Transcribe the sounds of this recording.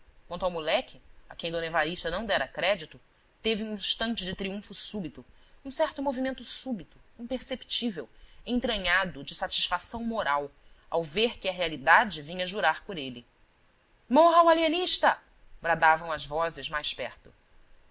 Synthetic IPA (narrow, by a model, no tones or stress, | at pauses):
kw̃nt̪awmulɛkʲɪa̰kẽj̃d̪õnevaɾiʃt̪ɐnɐ̃w̃d̪ɛɾɐkɾɛd͡ʒit̪ʊ | t̪evɪũĩʃt̪ɐ̃nt͡ʃɪd͡ʒɪt̪ɾiũfʊsubit̪ʊ | ũsɛɾt̪ʊmovimẽnt̪ʊsubit̪ʊĩpeɾsepi̥t͡ʃivewẽt̪ɾɐ̃ɲad̪ʊd͡ʒɪsat͡ʃi̥ʃfasɐ̃w̃moɾaw | a̰wveɾkɪɐɦealid̪ad͡ʒɪvĩɲɐʒuɾaɾpʊɾelɪ | mɔɦɐwaliɐniʃt̪ɐ | bɾad̪avɐ̃w̃ɐzvɔzɪzmajʃpɛɾt̪ʊ